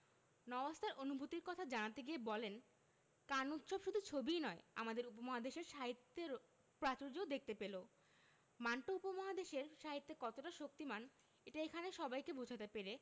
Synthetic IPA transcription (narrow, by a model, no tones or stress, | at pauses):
nɔbast̪ʰaɾʔonubʱut̪iɾkɔt̪ʰad͡ʑanat̪eɡiebɔlen | kanut̪ʃɔbʃud̪ʱut͡ɕʰobijnɔea̰mad̪eɾupomɔɦad̪eʃeɾʃaɦit̪ːeɾ | pɾat͡ɕoɾd͡ʑood̪ek̚ʰt̪epelo | manʈoupomɔɦad̪eʃeɾʃaɦit̪ːekɔt̪oʈaʃok̚t̪iman | eʈaekʰaneʃɔbajkebʱod͡ʑʱat̪epeɾe